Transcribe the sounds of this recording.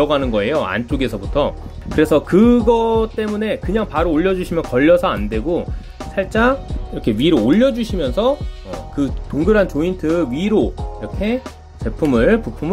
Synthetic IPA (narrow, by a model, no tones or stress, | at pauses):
ʌɡanɯnɡʌe̞joa̰nt͡ɕ͈oɡe̞sʰʌbutʰʌ | kɯɾe̞sʰʌkɯɡʌt͈e̞mune̞kɯɲaŋpaɾoːʎːʌd͡ʑuɕʰimjʌnkʌʎːʌsʰʌande̞ɡo | sʰaɭt͡ɕ͈aiɾʌkʰe̞ɥiɾoːʎːʌd͡ʑuɕʰimjʌnsʰʌkɯtoŋɡuɾɦant͡ɕointʰɯɥiɾoiɾʌkʰe̞ | t͡ɕe̞pʰumɯɭpupʰum